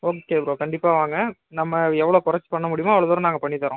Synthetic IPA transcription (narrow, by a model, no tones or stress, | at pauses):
oːkːeːpɾoːkɐɳɖɪpːaːʋaːŋɡɐnɐmːɐɛʋːɐɭoːkʊɾɐt͡ʃːɯ̥pɐɳːɐmʊɽɪjʊmaːɐʋɐɭɐðoːɾɐ̃naːŋɡɐpɐɳːit̪ːɐɾõ